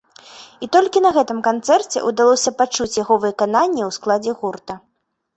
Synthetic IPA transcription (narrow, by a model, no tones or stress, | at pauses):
it̪ɔlʲkʲinɐɣɛt̪ɨmkant̪sɛrt͡sʲɛ̰ʔud̪alˠɔsʲɐpat͡ʂut͡sʲjaɣɔvɨkananʲːiwsklˠad͡zʲɛɣurt̪ɐ